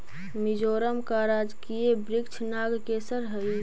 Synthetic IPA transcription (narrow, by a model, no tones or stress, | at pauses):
mid͡ʒoːɾəmkaɾaːd͡ʒkiebɾɪkt͡ʃʰnaːɡkesəɾɦəi